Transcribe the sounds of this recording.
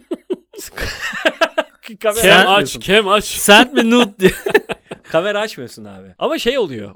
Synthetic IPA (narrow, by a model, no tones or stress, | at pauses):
k | kamɛɛat͡ʃcʰɛmat͡ʃsænt̪̚binut̪̚d̪i | kʰameɾat͡ʃmajosuna̰ːbɪamaʃejo̞lˠujo̰